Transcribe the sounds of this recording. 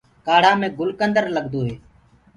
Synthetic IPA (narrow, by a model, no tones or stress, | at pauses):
kaːɽ̤ãːmẽːɡʊlkənd̪əɾləɡd̪oːɦeː